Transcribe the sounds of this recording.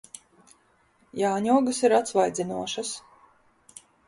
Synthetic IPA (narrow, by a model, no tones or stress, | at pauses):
jaːɲuɔɡasiɾat̪svajd̪zʲinuɔʃas